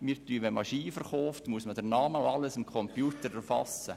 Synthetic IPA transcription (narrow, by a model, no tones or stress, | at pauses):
miːtyʋɛnmɑʃiːfəɾχɔʊftmuəsmədənɑːməʊɑləsɪmkʰɔmpjuːtəɾɛɾfɑsə